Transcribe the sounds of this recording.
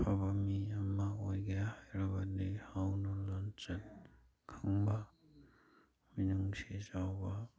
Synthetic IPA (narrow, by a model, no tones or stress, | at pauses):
pʰabamiamaojɡajahajɾabanihawnulɔnt͡ʃɐn | kʰɯŋba | minuŋsizawba